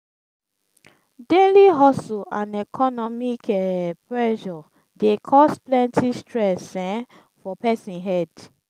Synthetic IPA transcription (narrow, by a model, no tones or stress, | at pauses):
deliɦɔsuãnɛkʰɔnɔmikɛpɹɛʃɔ | dekʰɔsplɛ̃ntʰistɹɛsɛ̃ | fɔpɛsĩnɦɛd